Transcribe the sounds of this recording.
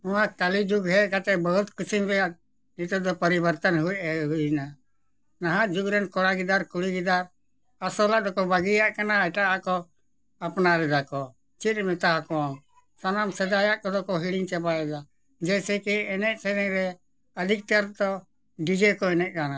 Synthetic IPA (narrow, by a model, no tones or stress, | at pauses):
umat̪alid͡ʒuɡɦɛkat̪ɛbəɦut̪kisimbɛjat̪̚ | nit̪ud̪ɔpəɾibəɾt̪ənɦujɛɦujna | naɦãʔd͡ʒuɡɾɛnkɔɾaɡid̪aɾkuɽiɡid̪aɾ | əsɔlad̪ɔkɔbaɡijaʔkanaɛʈaakɔ | əpnaɾɛd̪akɔ | t͡ʃit̪mɛt̪aɦakɔm | sɔnamsɛd̪ajaʔkɔd̪ɔkɔɦiɽiŋt͡ʃɛbaɛd̪a | d͡ʒɛjsɛkiɛnɛʔsɛɾɛŋɾɛ | əd̪ʱik̚t̪əɾt̪ɔ | ɖid͡ʒɛkɔɛnɛʔ̚ˀkana